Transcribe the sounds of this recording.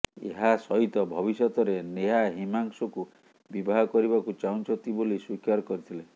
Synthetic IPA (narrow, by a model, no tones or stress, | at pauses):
ḛɦasɔɦit̪ɔbʱɔβisɔt̪ɔɾeneɦaɦimaŋsɔku | bibʱaɦɔkɔɾibakut͡ʃaũnt͡ʃʰɔnt̪iboliswikaɾkɔɾit̪ʰile